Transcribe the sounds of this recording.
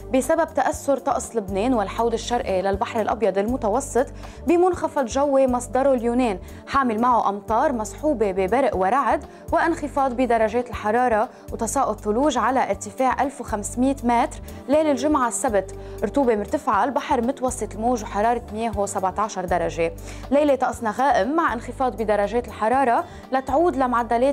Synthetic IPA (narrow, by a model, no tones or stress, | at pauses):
bɪsabab̚t̪aʔasːʊɾt̪ˤɑʔsˤlɪbneːnwɪlħawd̪ɪʃːɑɾˤʔilalbaħɾɪlʔɑbjɑd̪ˤɪlmʊt̪ɑwɑsˤːɨt̪ˤ | bimʊnxɑfɑd̪ˤʒawːemɑsˤd̪ɑɾˤoljuːneːn | ħaːmɪlmaʕoʔɑmt̪ˤɑːɾˤmɑsˤħuːbebɪbɪɾʔwaɾˤaʕɪd̪ | wɪʔɪnxɪfɑːd̪ˤbid̪ɑɾˤɑʒeːt̪ɪlħɑɾˤɑːɾˤɑ | wt̪ɑsɑːʔʊd̪θʊluːʒʕalaʔɪɾt̪ɪfeːʕʔalfwxamsmiːt̪meːt̪ɾ | leːlɪlʒʊmʕasːabt̪ | ɾt̪uːbemɪɾt̪ɪfʕalbaħɑɾˤmʊt̪wɑsˤːɨt̪lmoːʒwħɑɾˤɑːɾˤɑt̪mɪjeːɦosabʕt̪aʕʃɑɾˤd̪ɑɾˤɑʒe | lejlet̪ˤɑʔsˤnɑɣaːʔɪmːaʕʔɪnxɪfɑːd̪ˤbid̪ɑɾˤɑʒeːt̪ɪlħɑɾˤɑːɾˤɑ | lat̪ʕuːd̪lamʊʕad̪ːaleːt̪